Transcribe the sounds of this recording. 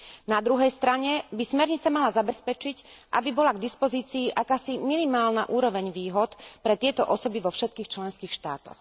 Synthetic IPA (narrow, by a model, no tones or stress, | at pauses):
nad̪ɾuɦɛjst̪ɾaɲɛbismɛɾɲit͡samalazabɛspɛt͡ʃicʔa̰bibɔlaɡd̪ispɔziːt͡siːʔakaːsiminimaːlna̰ʔuːɾɔʋɛɲʋiːɦɔt̪pɾɛt̪ɪɛt̪ɔʔɔsɔbiʋɔfʃɛt̪̚kiːxt͡ʃlɛnskiːxʃt̪a̰ːt̪ɔ̰x